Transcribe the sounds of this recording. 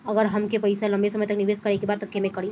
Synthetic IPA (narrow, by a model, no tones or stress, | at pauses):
ɐɡəɾɦɐmkepəjsalɐ̃mbesɐməjt̪əkniʋeːskəɾekebaːd̪ɐkʰːemẽkɐɽi